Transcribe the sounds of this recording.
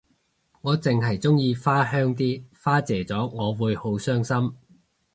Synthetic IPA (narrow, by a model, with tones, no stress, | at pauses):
ŋɔː˨˧t͡sɪ˨ŋɦɐ˨˩jt͡sʊ˥ŋjiː˧faː˥hœː˥ŋt̪̬iː˥faː˥t͡sɛː˨˩t͡sɔː˨˥ŋɔː˨˧wuː˨˧jho˨˥wsœː˥ŋsɐ˥m